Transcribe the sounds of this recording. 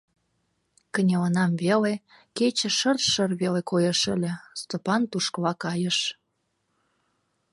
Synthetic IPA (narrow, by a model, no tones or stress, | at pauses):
kənʲelənɑmvele | ket͡ɕə̆ʃərʃərβelekojə̆ʃəlʲə̆st̪opɑnt̪uʃkəlɑkɑjəʃ